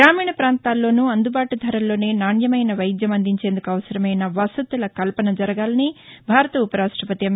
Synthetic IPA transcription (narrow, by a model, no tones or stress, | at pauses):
ɾaːmiːɳɐpɾaːnt̪aːlːo̞ːnuɐnd̪ubaːʈud̪ʱɐɾɐllːo̞ːneːnaːɳjɐmɐjnɐʋɐjid̪jɐmɐnd̪iɲt͡ʃe̞ːnd̪ukuɐʋɐsɐɾɐmɐjnɐʋɐsɐt̪ːɐlɐkɐlpɐnɐd͡ʒɐɾɐɡaːlɐnibʱaːɾɐt̪ɐupɐɾaːʂʈɐpɐt̪iɐm